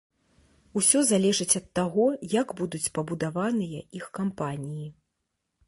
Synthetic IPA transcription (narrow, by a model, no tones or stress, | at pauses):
usʲɔzalʲɛʐɨt͡sʲɐt̪ːaɣɔjaɡbud̪ut͡sʲpɐbud̪avanɨjɐʔixkampanʲiji